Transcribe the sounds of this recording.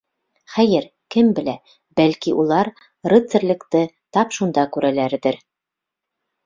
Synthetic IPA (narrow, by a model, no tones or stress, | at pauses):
χæjɘɾ | kɘmbɘ̆læ | b̥ælkiʔulˠɑɾ | rɘ̆t̪sɘ̆ɾlɘ̆kt̪ɘ | t̪ɑpʃund̪ɑkʉɾælæɾðɘɾ